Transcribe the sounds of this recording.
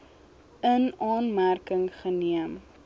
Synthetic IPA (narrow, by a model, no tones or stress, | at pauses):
ənɑːnmærkəŋχəniəm